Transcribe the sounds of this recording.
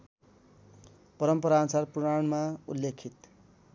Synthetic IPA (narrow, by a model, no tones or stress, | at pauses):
pʌɾʌmpʌɾansarpuɽaɳmaulːekʰit̪